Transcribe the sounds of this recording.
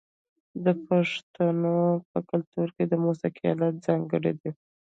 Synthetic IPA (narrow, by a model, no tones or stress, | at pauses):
d̪əpaʂt̪anopəkʊlt̪uɾked̪əmusaqijɑ̰lat̪̚zɑŋɡəɽḛd̪i